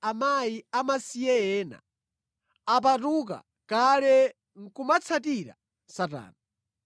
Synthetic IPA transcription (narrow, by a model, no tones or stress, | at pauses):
amajiamasijɛɛːna̰ | ap̬atuk̬a̰ | kalɛ | ŋ̩kumat͡sʰatiɾa̰ | sata̰ːna